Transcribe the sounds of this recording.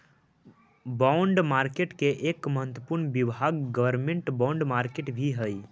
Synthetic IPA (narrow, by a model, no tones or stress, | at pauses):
baʊ̃ɳɖmaːɾkeʈkeʔeːkməɦət̪wəpuɾnbibʱaɡɡəʋəɾmẽɳʈbawɳɖmaːɾkeːʈbʱiɦəi